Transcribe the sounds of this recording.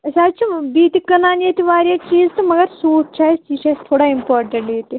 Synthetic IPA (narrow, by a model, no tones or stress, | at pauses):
ɐsaːt͡ʃʰibiːt̪ikɐnaːnet̪iʋaːɾjaːt͡ʃiːzt̪umɐɡɐɾsuːʈt͡ʃʰaːjt͡ʃiːt͡ʃʰɐst̪ʰoːɽaːimpoːɾʈɐɳʈet̪i